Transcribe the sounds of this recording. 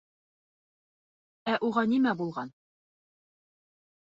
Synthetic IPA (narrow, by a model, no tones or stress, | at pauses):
æʔuʁɑnimæbulˠʁɑn